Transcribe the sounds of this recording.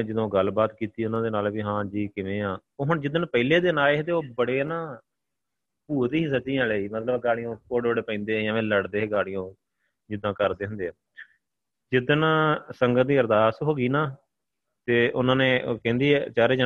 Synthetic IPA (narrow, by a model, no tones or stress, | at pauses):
d͡ʒɪd̪õːɡəlbaːt̪kiːt̪iːʊnãːd̪eːnaːlʋiːɦãːd͡ʒiːkɪʋẽːãːoːɦʊɳd͡ʒɪd̪ənpəileːd̪ɪnaːleːt̪eːoːbəɽeːnãː | puːt̪iɦĩːs̬ət͡ʃd̪ijãːləiːmət̪ləbɡaːɽɪjõːkoːɖoːɽeːpəĩːnd̪eːjãːʋẽːləɽd̪eːɦeːɡaːɽɪjõː | d͡ʒɪd̪ãːkəɾd̪eːɦʊ̃nd̪ẽː | d͡ʒɪd̪ənːsəŋɡət̪̚d̪iːəɾd̪aːsɦoːɡiːnãː | t̪eːʔʊnãːneːʔokɛ̃ːnd̪iːɛːt͡ʃaːɾeːd͡ʒa